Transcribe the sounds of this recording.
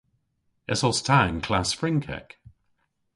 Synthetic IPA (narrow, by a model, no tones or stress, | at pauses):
ɛsɔstʰãɪ̃nkʰl̥asfɹɪ̃ŋkʰɛ̰k